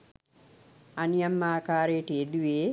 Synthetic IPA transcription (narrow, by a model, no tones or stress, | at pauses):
anijɐmːaːkaːɾeːʈied̪uʋeː